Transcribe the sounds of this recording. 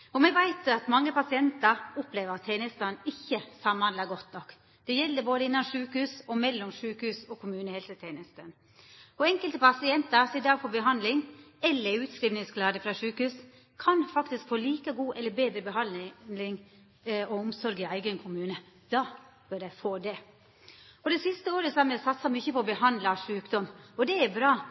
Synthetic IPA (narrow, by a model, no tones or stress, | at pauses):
ɔmɛʋæɪt̪ɑt̪mɑŋːəpɑsɪɛnt̪əɾɔpleːʋəɾɑt̪ʰːeːnəst̪ɑnɪçːəsɑmːɑnlɑɡɔt̪nɔkː | d̪̥ɛjɛld̪əboːd̪əɪnːɑnʂʉːkhʉːsɔmɛlːɔmʂʉːkhʉːsɔkʰʊmʉːnəhɛːlsət̪ʰeːnəst̪ən | ɔɛŋkəlt̪əpɑsɪɛnt̪əɾsɪd̪ɑːɡfɔbəɦɑnd̪lɪŋɛlːəɾʉːt̪skɾiːʋnɪŋsklɑːd̪əfɾɑʂʉːkhʉːs | kʰɑnfɑkt̪ɪskfoːliːkəɡuːʔɛlːəbeːd̪ɾəbəɦɑnlɪŋ | ɔɔmsɔɾɡɪæɪɡənkʰʊmʉːnə | d̪̥ɑb̥øɾæɪfoːd̪ɛ | ɔd̪ɛsɪst̪əoːɾəsɑmɛsɑt̪sɑmʏçəpɔɔbəhɑnd̪lɑʂʉːkd̪ɔmɔd̪ɛæɾbɾɑː